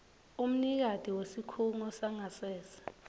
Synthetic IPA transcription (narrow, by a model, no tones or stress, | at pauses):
um̩nik̬ad̥ʱiwesikʰuŋɔsaŋasɛːsḁ